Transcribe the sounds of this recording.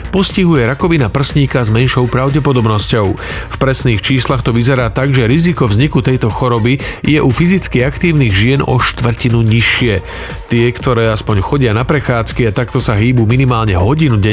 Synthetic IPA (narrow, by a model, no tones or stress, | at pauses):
pɔsciɦujɛɾakɔʋinapr̩sɲiːkazmɛnʃɔʊpɾaʊɟɛpɔd̪ɔbnɔscɔʊfpɾɛsniːxt͡ʃiːslaxt̪ɔʋizɛɾaːt̪aɡʒɛɾizikɔvzɲikut̪ɛjt̪ɔxɔɾɔbijɛʔufizit͡skiakt̪iːʊniɣʒɪɛnɔ̰ʃt̪ʋr̩cinuɲiʃɪɛ | t̪ɪɛkt̪ɔɾɛːaspɔɲxɔɟɪanapɾɛxaːt͡skiat̪akt̪ɔsaɦiːbuːminimaːlɲɛɦɔɟinuɟɛ